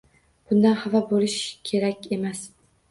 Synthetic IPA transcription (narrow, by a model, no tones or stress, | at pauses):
b̥ʊnd̪anχavabolɪʃkʲʰe̞ɾakʲe̞mas